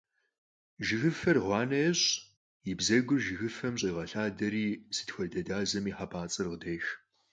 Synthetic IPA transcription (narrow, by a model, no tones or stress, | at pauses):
ʒɪɣɨfɐrʁʷɑːnɐɛɕʼ | jɪbzɐɡʷʊrʒɨɣɨfɐmɕʼiːʁɐɬaːdɐɾiːsɨ̥txʷɔdɐdaːzɐmiːħapʰaːt͡sʼɨrʁədɐjx